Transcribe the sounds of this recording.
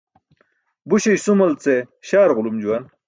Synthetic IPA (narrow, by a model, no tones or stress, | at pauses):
buɕejsumɐlt͡seɕaːɾʁʊlumd͡ʑuwɐn